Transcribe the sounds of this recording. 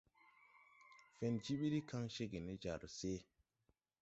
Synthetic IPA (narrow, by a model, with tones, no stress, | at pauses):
fe˨nd͡ʒi˦ɓi˦ɾi˦ka˦ŋʃe˦ɡe˨ne˦d͡ʒa̰˨ɾse˦